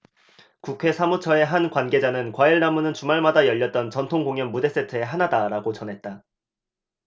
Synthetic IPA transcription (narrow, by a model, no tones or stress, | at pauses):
kukʰe̞sʰamut͡ɕʰʌe̞ɦankwanɡe̞d͡ʑanɯnkwaiɭnamunɯnt͡ɕumaɭmadajʌʎːʌt̚t͈ʌnt͡ɕʌntʰoŋɡoŋjʌnmude̞s͈e̞tʰɯe̞ɦanadaɾaɡot͡ɕʌnɦe̞t̚t͈a